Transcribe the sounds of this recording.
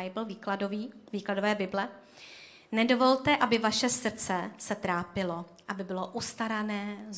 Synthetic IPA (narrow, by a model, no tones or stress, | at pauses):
jɪbɪlviːkladoviːviːkladovɛːbɪblɛ | nɛdo̞vo̞lt̪ɛʔabɪvaʃɛsr̩t͡sɛsɛt̪ɾaːpɪlo̞ | ʔabɪbɪlo̞ʔust̪aɾanɛː